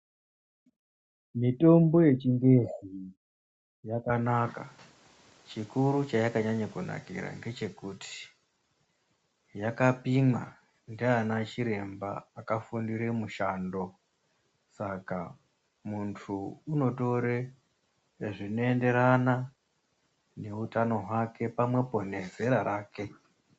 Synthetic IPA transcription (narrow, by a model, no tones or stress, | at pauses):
mito̞mbo̞je̞t͡ʃiŋɡe̞zi | jakanaka̰ | t͡ʃikuɾut͡ʃajakaɲaɲakuna̰kḭɾa̰ŋɡe̞t͡ʃe̞kutʰi̥ | jakapimwa̰ | ndeanat͡ʃiɾe̞mba̰ːkafundiɾe̞muʃaːndo̞ | saka | muntʰuuno̞to̞ɾe | ʐino̞e̞nde̞ɾana | ne̞utano̞ɦwake̞pamwe̞po̞neze̞ɾaɾaːke̞